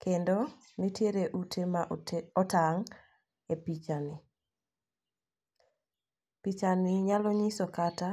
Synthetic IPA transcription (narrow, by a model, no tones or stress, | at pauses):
kendɔ | nitjeɾeʔutemaɔtaŋ | epit͡ʃanɪ | pit͡ʃanɪɲalɔɲisɔkata